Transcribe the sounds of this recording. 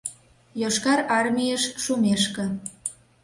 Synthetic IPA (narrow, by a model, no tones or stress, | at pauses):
joʃkɑɾɑrmʲijeʃʃumeʃkə̆